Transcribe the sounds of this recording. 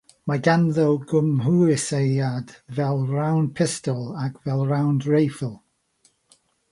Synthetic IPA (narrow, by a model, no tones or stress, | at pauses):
maɡanðɔwɡʊmɦuːɪsejad̥vɛlˠrawn̚pʰɪstɔlˠaɡvɛlˠɹawndɹejfəlˠ